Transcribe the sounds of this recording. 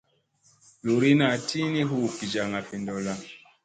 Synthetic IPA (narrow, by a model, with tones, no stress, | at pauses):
lu˨ɾi˦na˨ti˦ni˦ɦu˦˨ki˨d͡ʒa˨ŋa˨fi˨ndɔ˨la˦